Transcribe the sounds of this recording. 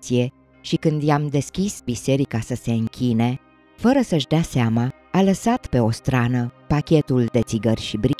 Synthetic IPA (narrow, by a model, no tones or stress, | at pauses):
sije̞ | ʃikɨnd̪jamd̪e̞skʲisbise̞ɾikasəse̞ɨŋkʲine̞ | fəɾəsəʃd̪easeama | aləsat̪pe̞o̞st̪ɾanəpakʲe̞t̪uld̪e̞t̪siɡərʲʃibɾi